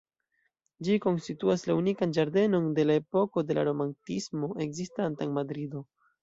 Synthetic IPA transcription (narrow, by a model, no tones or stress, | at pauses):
d͡ʒiko̞nstituaslaunikand͡ʒaɾde̞no̞nde̞lae̞po̞ko̞de̞la̰ɾo̞mantismo̞ʔe̞kzistantanmadɾido̞